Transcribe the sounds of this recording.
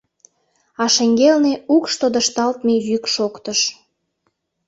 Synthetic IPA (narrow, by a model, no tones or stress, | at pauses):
ɑʃeŋɡelneukʃt̪od̪əʃt̪ɑlt̪mejykʃokt̪əʃ